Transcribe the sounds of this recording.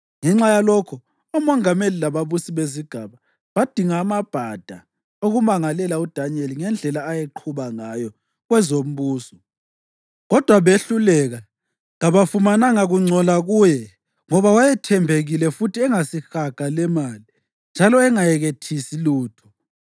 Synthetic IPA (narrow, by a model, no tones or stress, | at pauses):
ŋɛŋ͡ǁajalɔkʰɔ | umɔŋamelilaβaβusiβeziɡ̥ʱaβa | βad̥ʱiŋaːmab̥ʱad̥ʱa | oɣumaŋalɛlaud̥ʱanɛliŋɛnd͡ɮʱɛlaːjeǃʰuβaŋajɔ | ɣwɛzom̩βuːsɔ̥ | ɣɔd̥ʱwaβeɬulɛɣa | ɣaβafumanaŋaɣuŋ͡ǀʱɔlaɣuːjɛ | ŋɔβawajɛtʰɛmbʱeɣilɛfutʰiɛŋasixaɡ̥ʱalɛmali | nd͡ʒʱalɔɛŋajɛɣetʰisiluːtʰɔ̥